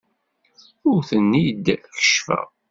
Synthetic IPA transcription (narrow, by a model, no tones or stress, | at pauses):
ʊɾθənːid̪çə̥ʃfæ̰